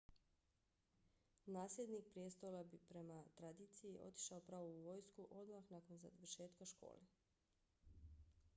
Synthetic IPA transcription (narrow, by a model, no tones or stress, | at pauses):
naːslʲe̞d̪nik̚pɾʲijest̪olabipɾe̞mat̪ɾad̪iːt̪sijiʔo̞̰t̪i̥ʃaopɾaːʋoʋojskuʔo̞d̪maxnako̞nza̰ʋərʃe̞ːt̪kaʃko̰ːle